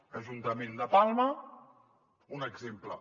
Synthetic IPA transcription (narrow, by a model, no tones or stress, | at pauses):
əʒunt̪əmend̪əpalˠmə | unəɡzemplə̰